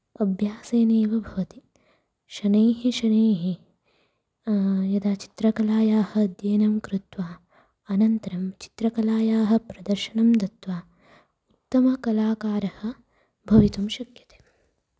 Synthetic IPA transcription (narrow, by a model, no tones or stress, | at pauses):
ɐbʱjaːseːneːʋɐbʱɐʋɐt̪i | ʃɐneːɦiʃɐneːɦi | jɐd̪aːt͡ʃi̥t̪ɾɐkɐlaːjaːhɐd̪jeːnɐmkɾut̪ʋaː | ɐnɐnt̪ɐɾɐmt͡ʃi̥t̪ɾɐkɐlaːjaːɦɐ̆pɾɐd̪ɐɾʃɐɳɐmd̪ɐt̪ʋaː | ut̪ːɐmɐkɐlaːkaːɾɐhɐ̆ | bʱɐʋit̪umʃɐkjɐ̥t̪e̥ː